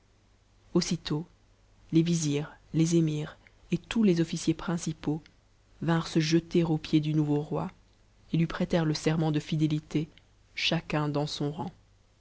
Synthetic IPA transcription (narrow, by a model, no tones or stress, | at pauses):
osit̪o | leviziːʁlezemiːʁ | et̪ulezɔfisjepχɛ̃sipo | vɛ̃ʁsəʒət̪eʁopjed̪ynuvoʁwa | elɥipχɛt̪ɛʁləsɛʁmɑ̃d̪əfid̪elit̪e | ʃakɛ̃d̪ɑ̃sɔ̃ʁɑ̃